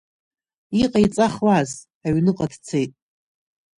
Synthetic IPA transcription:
iqʼait͡sʼaχlaz | aɥnɨqʼadt͡sʰe̞jtʼ

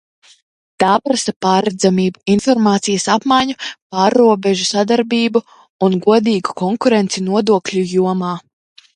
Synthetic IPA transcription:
t̪aːpɾasapaːɾɛd̪zamiːbuinfɔɾmaːt̪sijɐsapmajɲupaːɾːuɔbɛʒusad̪aɾbiːbu | unɡuɔd̪iːɡukɔŋkuɾent̪sinuɔd̪uɔklʲujuɔmaː

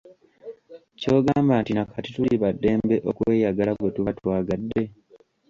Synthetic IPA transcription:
co̞ːɡaːmbantinakʰatituliβadːe̞ːmbe̞ʔokwe̞ːjaɡalaβwetuβatwaːɡadːe̞

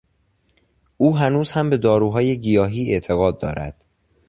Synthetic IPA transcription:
ʔuːɦænuːz̥hæmbe̞d̪ɒːɾuːɦɒːje̞ɟijɒːɦiːe̞ʔt̪ʰe̞ɣɒːd̪̚ːɒ̰ːɾæ̰d̪̥

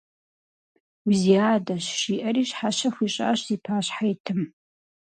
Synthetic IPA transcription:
wziaːdɐɕʃiːʔɐɾiːɕħaʃɐxʷiːɕʼa̰ːɕziːpʰaːɕħajtʰɨm

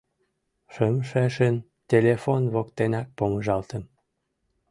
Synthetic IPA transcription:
ʃəmʃeʃən | tʲelʲefonβokt̪enɑk̚poməʒɑlt̪əm

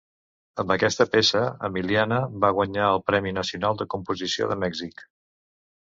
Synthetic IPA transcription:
əmbəkɛst̪əpesəə̰milianəβaɣ̞wəɲaəlˠpɾɛminəsiunalˠd̪əkumpuzisio̰ðəmɛɡzik

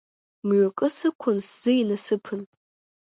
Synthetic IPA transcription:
mɥʷakʼɨsɨkʷʰʊnsz̥ɨinasɨpʰɨn

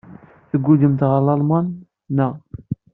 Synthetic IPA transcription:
θəɡʷːud̪əmt̪ʁɑlˤɑlˤmɑnː | əʁ

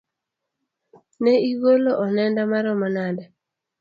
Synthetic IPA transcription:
nɛiɡoloʔɔnɛndamaɾɔmanada

